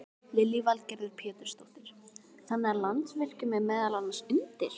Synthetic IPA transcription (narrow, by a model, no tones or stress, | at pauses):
lɪlːivalcɛɾðʏɾpʰɛːt̪ʏɾ̥st̪owht̪ɪɾ̥ | θanːaaɾlant̪svɪl̥cʏmɛðmɛːðalalnasʏnt̪ɪɾ̥